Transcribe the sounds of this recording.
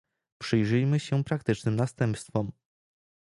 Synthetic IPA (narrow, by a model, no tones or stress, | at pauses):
pʂɘjʐɘjmɘɕɛpɾakt̪ɘt͡ʂnɘmnast̪ɛmpst̪fɔm